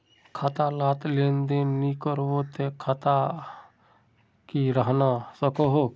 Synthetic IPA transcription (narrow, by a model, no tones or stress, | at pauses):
kʰaːt̪alaːt̪leːnd̪enikəɾʋot̪ekʰaːt̪a | kiɾəɦnasəkoɦo